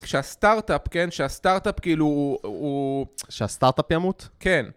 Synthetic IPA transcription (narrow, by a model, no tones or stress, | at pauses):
kʃeast̪aʁtapke̞nʃeast̪aʁt̪apkiiluuʃeast̪aʁt̪apjamut̪ke̞n